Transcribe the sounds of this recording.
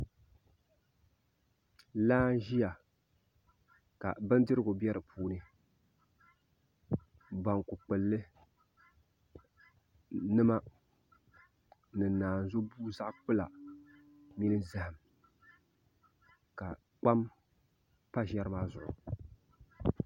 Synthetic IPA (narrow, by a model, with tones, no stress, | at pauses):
laː˦n˦ʒi˦ja˨ | ka̰˨bɨ˦n˦dɨ˦ɾɨ˦ɡʊ˨bjɛ˦ɾɨ˨pʰuː˦nɨ˦ | ba˨ŋkʊ˨k͡pɨ˨lːɨ˦ | nɨ˦ma˦ | nɨ˨naː˨n˨zʊ˦buː˦za˦ʔk͡pɨ˦la˨ | mi˦nɨ˦za˦hɨ˨m | ka˨ | k͡pa˦m | pa˦ʒɛ˦ɾɨ˦maː˦zʊ̰˨ʔʊ̰˨